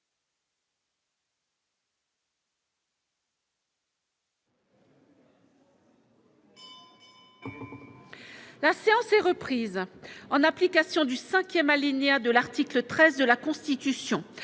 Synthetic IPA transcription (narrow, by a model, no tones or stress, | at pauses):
laseɑ̃sɛʁəpχizɑ̃naplikasjɔ̃d̪ysɛ̃kʲjɛmalinead̪əlaʁt̪iklət̪χɛzd̪əlakɔ̃st̪it̪ysjɔ̃